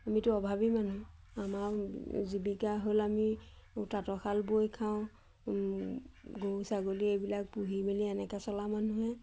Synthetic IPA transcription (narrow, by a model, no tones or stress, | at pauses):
amitʊɔbʱabimanu | amaɹzibikaɦolamiutatɔxʰalbojkʰaʊ̃ | ɡosaɡoliejbilak̚puɦimiliɛnɛkɛsɔlamanuɦɛ